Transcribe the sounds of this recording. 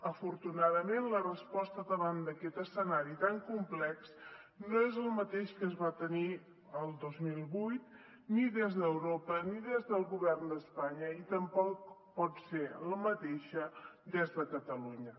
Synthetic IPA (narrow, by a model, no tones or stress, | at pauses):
əfuɾt̪unaðəmenlərəspɔst̪əðəβand̪əkɛt̪əsənaɾit̪aŋkumplɛks | noezəlˠmət̪eʃkəzβat̪əni | əlˠd̪ozmilˠβujt̪ | niðezðəwɾopəniðezðəlˠɣuβɛrnd̪əspaɲəit̪əmpɔk̚pɔt̪seləmət̪eʃəd̪ezðəkət̪əluɲə